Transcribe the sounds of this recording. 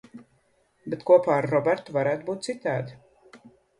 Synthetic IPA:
bet̪kuɔpaːaɾːɔbɛɾt̪uvaɾæːt̪buːt̪̚sit̪aːd̪i

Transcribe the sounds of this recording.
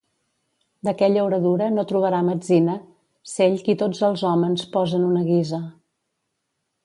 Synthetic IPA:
d̪əkɛʎəuɾəðuɾənot̪ɾuβ̞əɾaməd͡zinə | seʎkit̪od͡zəlˠzɔmənspɔzənunəɣizə

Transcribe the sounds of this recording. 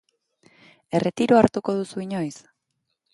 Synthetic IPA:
e̞re̞t̪iɾoaɾt̪uko̞ðusuiɲo̞js

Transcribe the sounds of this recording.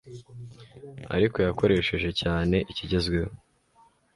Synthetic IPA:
a̰ɾiko̞jako̞ɾe̞ːʃe̞ʒe̞caːne̞ʔiciɟe̞zɡwe̞ho

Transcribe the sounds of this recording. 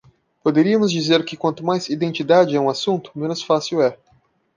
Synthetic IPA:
pod̪eɾiɐmʊzd͡ʒizeɾkɪkwɐ̃nt̪ʊmajzid̪ẽnt͡ʃid̪ad͡ʒɪɛũasũnt̪ʊ̥mẽnʊsfasiwɛ

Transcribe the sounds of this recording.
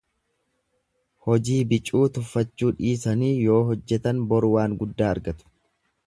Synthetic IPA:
hɔd͡ʒiːbɪt͡ʃʼːuːt̪ʊfːɐt͡ʃːuːᶑiːsɐniːjo̞ːɦɔd͡ʒːɛt̪ɐnbɔɾʊwaːŋɡʊd̪ːaːɐɾɡɐt̪ʊ̥

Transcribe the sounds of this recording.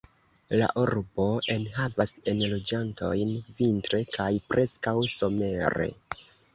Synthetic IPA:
la̰ʔuɾbo̞ʔe̞nɦavase̞nlo̞d͡ʒanto̞̰jnvintɾe̞kʰajpɾʔe̞skawso̞me̞ɾe̞̰

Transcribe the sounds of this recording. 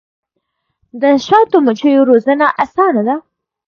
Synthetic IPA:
d̪əʃɑt̪omət͡ʃəjoɾozənaʔasɑnad̪a

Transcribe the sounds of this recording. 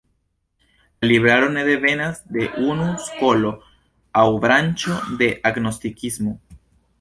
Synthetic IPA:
laliβɾaɾo̞ne̞ðe̞ve̞nazd̪e̞ʔunusko̞lo̞ | awbɾant͡ʃo̞d̪e̞ʔaɡno̞st̪ikizmo

